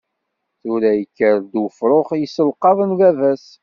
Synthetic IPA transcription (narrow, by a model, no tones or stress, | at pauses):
θʊɾæjəkːəɾd̪wəfɾˤoχjəsəlqɑðˤənlævæs